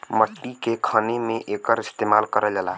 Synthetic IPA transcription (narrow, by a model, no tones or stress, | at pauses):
məʈːikekʰənemeʔekəɾist̪emalkəɾəld͡ʒəla̰